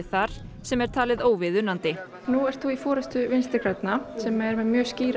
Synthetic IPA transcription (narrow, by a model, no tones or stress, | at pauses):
θaɾ̥ | sɛmɛɾ̥t̪ʰaːlɪðoːwvɪðʏnant̪ɪ | nuɛɾ̥t̪θuifɔːɾɛst̪ʏvɪnst̪ɪkʰɾɛt̪nasɛmɛɾmɛðmjœːsciːɾ